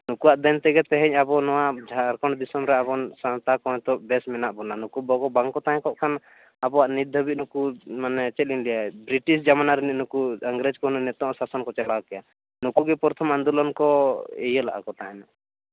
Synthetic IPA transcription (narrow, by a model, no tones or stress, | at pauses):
nukuwaʔd̪ɛnt̪ɛɡɛt̪ɛɦɛ̃ɲabɔnɔwaʔd͡ʒʱaɾkɔɳd̪isɔmɾɛapɔnsãt̪akɔ̃ɛ̃t̪ɔʔbɛsmɛnaʔbɔnanukubɔɡɔbaŋkɔt̪ãɦɛ̃kɔʔkʰan | abɔwaʔnitd̪ʱəbit̪̚nukumanɛt͡ʃɛt̪̚linlijabɾiʈisd͡ʒamanaɾɛninukuəŋɡɾɛd͡ʒkɔɦnuʔnɛt̪ɔ̃ʔɔsasɔnkɔt͡ʃɛlakɛja | nukuɡɛpɔɾt̪ʰɔmand̪ulɔnkɔɛ̰jəla̰ʔa̰kɔt̪aɦɛna